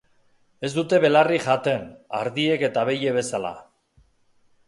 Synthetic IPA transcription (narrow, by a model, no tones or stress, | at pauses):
e̞zd̪ut̪e̞βe̞lariʝat̪e̞na̰ɾðie̞ke̞t̪aβe̞je̞βe̞sala̰